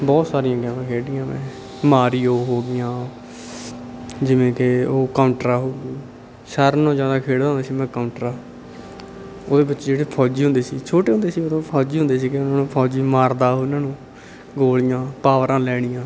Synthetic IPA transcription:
bɔːt̪saːɾijãːɡɛ̃ːãːkʰeːɽɪjãːmɛ̰̃ː | maːɾioːɦoːɡɪjãː | d͡ʒɪʋẽːkeoːkaːʊɳʈɾaːɦoːɡiː | ʃəɾnõːzjaːd̪aːkʰeːɽd̪aːɦʊnd̪eːsiːmɛ̃ːkaːʊɳʈɾaː | oːd̪eːbɪt͡ʃd͡ʒeːɽeːpʰɔːd͡ʒiːɦʊ̃nd̪eːsiːt͡ʃʰoːʈeːɦʊ̃nd̪ːsiːod̪õːpʰɔːd͡ʒiːɦʊ̃nd̪eːsiːkɪʊnãːnũːpʰɔːd͡ʒiːmaːɾd̪aːɦoːnãːnũː | ɡoːlɪjãːpaːʋəɾãːlɛːɽ̃ɪjãː

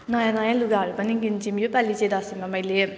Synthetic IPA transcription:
nʌjãnʌjãluɡaɦʌɾupʌniɡint͡ʃimjopalit͡ʃed̪asimamʌjle

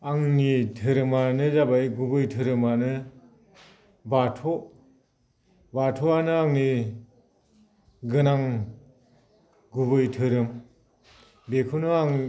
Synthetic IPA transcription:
aŋnitʰɯɾɯmanɯzabajɡubɯjtʰɯɾɯmanɯ | batʰo | batʰoanɯaŋni | ɡɯnaŋ | ɡubɯjtʰɯɾɯm | bekʰunuaŋ

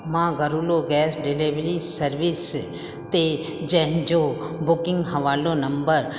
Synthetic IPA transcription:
mãːɡɐɾuːloɡɛːsɖɪliʋɾisɐɾʋɪs | t̪e | d͡ʒɛɦnd͡ʒo | bʊkɪ̃ŋɡɦɐʋaːlonɐmbəɾ

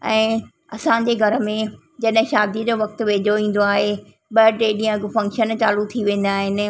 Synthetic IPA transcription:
ɛ̃ː | ɐsãɲ̆d͡ʑeɡʱɐɾəmẽ | d͡ʑɐɗɦɪ̃ʃaːd̪id͡ʑoʋɐk̚t̪̆ʋeːd͡ʑʱoʋĩːn̆d̪oaːɦe | ɓəɖɾeːɗiə̃kfɐ̃ŋkʃənt͡ɕaːlut̪ʰiʋẽːn̆d̪aːɦɪnɪ̆

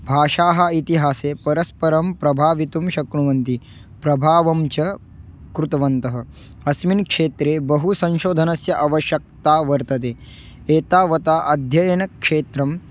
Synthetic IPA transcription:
bʱaːʃaːɦɐit̪iɦaːseːpɐɾɐspɐɾɐmpɾɐbʱaːʋit̪umʃɐkɳuʋɐnt̪i | pɾɐbʱaːʋɐmt͡ʃɐ | kɾut̪ɐʋɐnt̪ɐɦɐ̆ | ɐsminkʂeːt̪ɾeːbɐɦusɐ̃nʃoːd̪ʱɐnɐsjɐʔɐʋɐʃjɐk̚t̪aːʋɐɾt̪ɐt̪̬eː | eːt̪aːʋɐt̪aːʔɐd̪ʱjɐjɐnɐkʂeːt̪ɾɐm

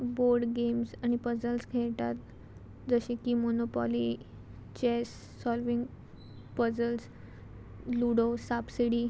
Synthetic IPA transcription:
boɾɖɡemsañipəd͡zəlsɡʱɛʈ̪at̪̚ | d͡zəɕĩkimonopɔ̰li | t͡ɕesː | ɔlʋiŋɡ | pəd͡zəls | luɽosabsiɽiː

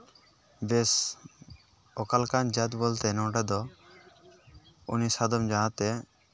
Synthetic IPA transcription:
bes | ɔkalkand͡ʒat̪bɔlt̪ɛnɔ̃ɖad̪ɔ | unisad̪ɔmd͡ʒaɦãt̪ɛ

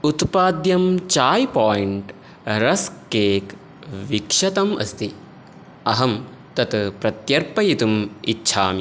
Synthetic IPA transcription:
ut̪paːd̪jɐmt͡ʃaːjpaːjiɳʈ | ɾɐskeːk | ʋikʂɐt̪ɐmɐ̰st̪i | ɐɦɐm | t̪ɐt̪pɾɐt̪jɐɾpɐjit̪umitːʃʰaːmi

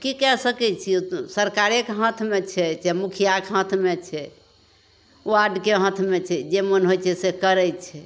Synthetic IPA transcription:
kikɛsəkɛt͡ʃʰisəɾkaɾekɦə̃t̪ʰmet͡ʃʰɛd͡ʒɛmukʰijakɦə̃t̪ʰmet͡ʃʰɛ | uaɖkeɦə̃t̪ʰmet͡ʃʰɛd͡ʒemənɦojt͡ʃʰɛsekəɾɛt͡ʃʰɛ

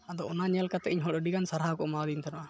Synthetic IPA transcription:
ad̪ɔʔɔnaɲɛlkat̪ɛ̰ʔiɲɦɔɽəɖiɡansaɾɦakɔʔmad̪int̪ʰanaʔa

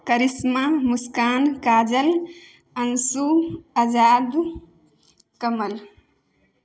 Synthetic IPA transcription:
kəɾismamuskaːnkaːd͡ʒəl | ənsuəd͡ʒaːd̪ | kəməl

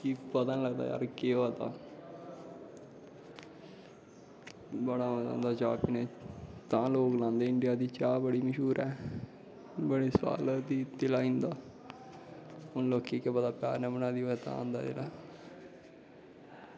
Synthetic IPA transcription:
kipət̪ənləɡd̪a̰ːja̰ːɾkeːoːd̪a̰ː | bəɽaːəd̪ə̰̃nd̪aːd͡ʒa̰ːpɪneːt̪ãːloːklãːnd̪eːɪɳɖɪjaːd̪iːt͡ʃaːbəɽiːməʃuːɾɛː | bəɽeːswa̰ːləd̪iːt̪ɪlaːɪ̃nd̪aː | ʊnloːkːiːkebəd̪aːpɪa̰ːɾnɛːbənaːd̪iːot̪ã̰ːã̰ːnd̪a̰ːt̪ɪ̰laː

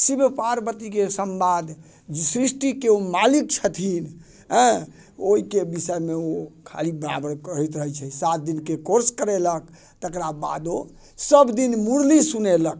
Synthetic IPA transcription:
sibpaɾbət̪ikesəmbad̪ | sɾisʈikeomalik̚t͡ʃʰət̪ʰin | ɦə̃ | oɦikebisəjmeokʰa̰libəɾa̰bəɾkəɦɛt̪ɾəɦɛt͡ʃʰəsat̪̚d̪inkekoɾskəɾelək̚ | t̪əkɾaba̰d̪o | səbd̪inmuɾlisunelək̚

